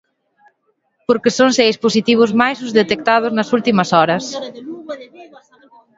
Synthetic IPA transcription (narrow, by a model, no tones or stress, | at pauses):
poɾkesoŋsejsposit̪iβ̞ʊzmajsuzðet̪ek̚t̪að̞ʊznɐsult̪imɐsɔɾɐs